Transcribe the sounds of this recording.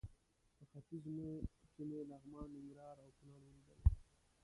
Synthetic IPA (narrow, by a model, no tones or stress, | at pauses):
pəxafizmekemelaɣmɑːnːɪŋɡɾɑːɾawkunɑɽwəwid̪əl